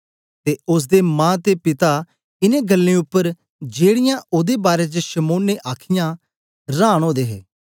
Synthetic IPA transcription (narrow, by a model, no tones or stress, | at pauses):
t̪eːʊs̬d̪emãːt̪epɪt̪a | ɪnẽɡəlːẽʊpːəɾ | d͡ʒeːɽɪjãʔʊd̪ebaːɾet͡ʃəʃɐmoːnːeʔaːkʰɪjã | ɾaːɽ̃oːd̪eːɦeː